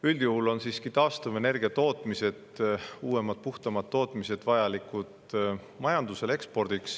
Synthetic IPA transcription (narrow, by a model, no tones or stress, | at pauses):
yld̪̥juhulo̞nsiːskit̪ɑːst̪ɑve̞ne̞rɡ̥iɑt̪o̞ːt̪ˑmise̞d̪uːe̞mɑd̪̥̚puht̪ɑmɑt̪ːo̞ːt̪ˑmise̞d̪̥vɑjɑlikˑud̪ | mɑjɑnd̪use̞le̞kspo̞rd̪̥iks